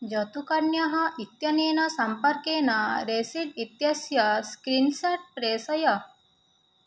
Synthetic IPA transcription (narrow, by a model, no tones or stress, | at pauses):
d͡ʒɐt̪ukɐɾɳjɐɦɐʔit̪jɐneːnɐsɐmpɐɾkeːnɐɾesiɖit̪jɐsjɐskɾinsɐʈ̚pɾeːsɐjɐ